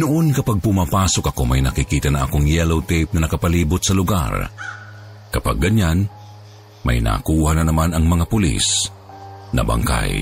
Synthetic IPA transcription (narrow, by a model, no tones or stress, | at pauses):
nʊʔonkɐpaɡ̚pʊmaːpaːsokɐko̞mɐjnɐkikiːt̪ɐnaʔɐ̰koŋjɛlowt̪ep̚nɐnɐkɐpɐliːbʊt̪sɐlʊɡa̰r | kɐpa̰ɡɐɲan | mɐ̰jna̰ːkuːhanɐnɐmanɐŋmɐŋapʊlḭs | nɐ̰bɐ̰ŋka̰j